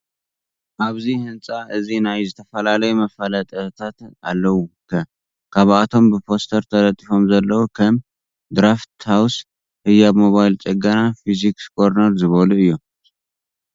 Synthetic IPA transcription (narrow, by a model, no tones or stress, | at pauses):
ʔaβzihɨnsʼaʔɨzinajzɨt̪ʰəfɐlalɐjɛmɐfalat̪ʼət̪ʰat̪a̰lːɐwukʰɐ | kʰaβat̪ʰo̞mbɨpʰo̞st̪ʰɐɾt̪ʰɐlɐt̪ʼːifo̞mzɐlːɐwukʰɐm | d̪ɾaft̪haws | hɨjːamo̞βajlt͡ʃʼɛɡənafizikskʼoɾnɐɾzɨβoluɨjːu